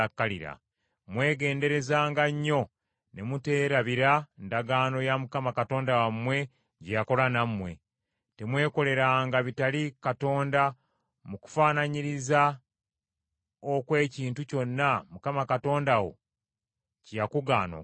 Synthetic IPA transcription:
akːaliɾa̰ | mwe̞ːɡe̞ːnde̞ɾe̞zaːŋɡaɲːo̞ | ne̞mute̞ːɾaβiɾandaɡaːno̞jamukamakato̞ːndawamwe̞ | ɟejako̞lanamːwe̞ | te̞mwe̞ːko̞le̞ɾaŋɡaβitalikato̞ːnda | muku̥faːnaɲiɾiza | okwe̞ːciːntuco̞nːamukamakato̞ːndawo̞̰ | cijakuɡa̰ːno̰

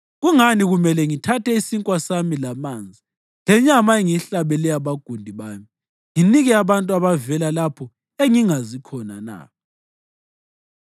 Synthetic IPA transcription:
ɣuŋaniɣumɛlɛŋitʰatʰɛisiŋkʼwasamilamaːnd͡zʱi | lɛɲamaeŋiɬaβɛlɛaβaɡ̥ʱundʱiβaːmi | ŋiniɣɛaβantʼuaβavɛlalapʰɔ | eŋiŋazikʰɔna̰na̰

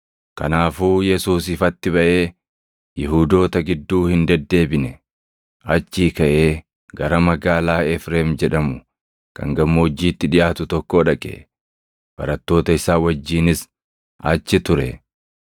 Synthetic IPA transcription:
kɐ̰naːfuːjɛsuːsɪfɐt̪ːɪβɐʔe̞ː | jɪɦuːd̪o̞ːt̪ɐɡɪd̪ːuːhɪnd̪ɐd̪ːe̞ːbɪnɛ | ʔɐt͡ʃːiːkɐʔe̞ː | ɡɐɾɐmɐɡaːlaːɛfɾeːmd͡ʒɛᶑɐmʊ | kɐ̰ŋɡɐmːoːd͡ʒːiːt̪ːɪᶑɪʔaːt̪ʊt̪ɔkːo̞ːᶑɐkʼḛ | b̥ɐ̰ɾɐt̪ːo̞ːt̪ɐɪsaːwɐd͡ʒːiːnɪs | ʔɐt͡ʃːɪt̪ʊɾɛ

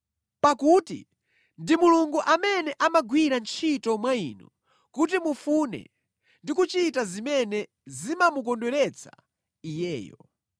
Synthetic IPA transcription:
pakuːtḭ | ndimuluŋɡuʔamɛnɛʔamaɡwiɾant͡ʃʰitɔmwainɔ̰ | kut̬imufunɛ̰ | ndikut͡ʃitazimɛnɛ | zimamuk̬ɔndɛɾɛt͡sʰa | ijɛ̰ːjɔ̰

